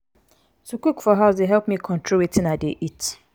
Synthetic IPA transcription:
sokikfɔɦaʊs̬deɦɛlp̚mikʰɔ̃ntʰɹoitĩnadeʔit

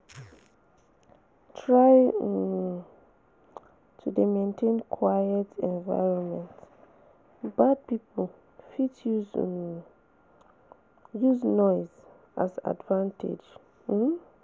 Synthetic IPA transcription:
tʰɹaɪ | tʰudemẽntʰẽnkʰwajɛtɛ̃nva̰ɪɹɔ̃nmɛ̃nt | bad̚pipʰl | fit | juznɔɪz | aza̰dvãntḛd͡ʒ̩

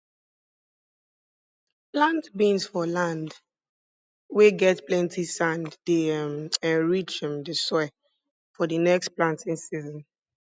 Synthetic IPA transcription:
plãntbĩnsfɔlãnd | weɡɛtplɛ̃ntisãnddemɛ̃nɹit͡ʃĩmdesɔ | fɔdənɛkstplãntĩnsizɔ̃n

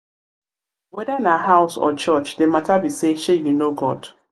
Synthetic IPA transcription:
wɛdainaɦaʊsɔ̰t͡ʃɔt͡ʃdematabiseʃejunoɡɔd̥

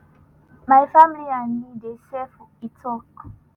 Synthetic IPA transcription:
maifamilianidɛsɛfuitʰɔkɔ

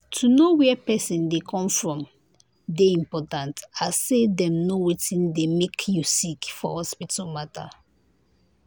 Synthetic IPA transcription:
tʰunowɛpɛsĩndekʰɔ̃mfɹɔ̃m | deĩmpɔtãntasedɛ̃mnowetĩndemekʰjusikfɔ̰hɔspitʰalmatʰa̰

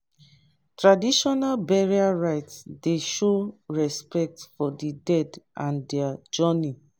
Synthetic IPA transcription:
tɹadiʃɔnalbɛɹiaɹaɪtsdeʃoɹɛspɛk̚tfɔdidɛdʔãndɛad͡ʒɔni

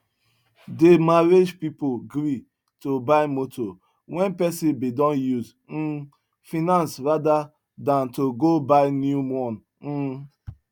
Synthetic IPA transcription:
demaɾed͡ʒpipoɡɾi | tobaɪmotʰo | wɛ̃npɛsibidɔ̃njuz | n̩ | finãnsɾada | dãntoɡobaɪnjumɔn̩

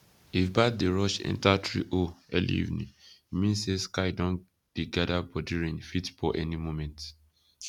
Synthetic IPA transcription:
ifbat̚deɹɔʃɛ̰̃ntatʰɹḭʔoɛ̰lḭḭvnḭ̃mĩnseskaɪdɔ̃n | d̥iɡadabɔdiɹĩnfitfɔʔɛnimomɛ̃nt

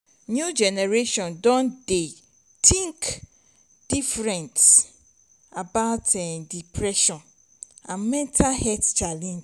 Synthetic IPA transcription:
nud͡ʒɛnɛɹeʃɔ̃ndɔ̃nde | tʰĩŋk | d̥ifɾɛ̃nts | abaʊtʰɛ̃ndipʰɾɛʃɔ̃n | ãmɛ̃ntʰahɛtt͡ʃʰalɛ̃n

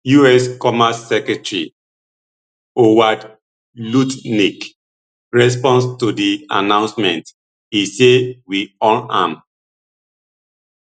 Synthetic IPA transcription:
juɛskɔmasːɛkɹɛtɹḭ | owad | lutnik | ɹɛs̬pɔ̃nstudia̰nãʊ̃nsmɛ̃nt | isewiɔlãm

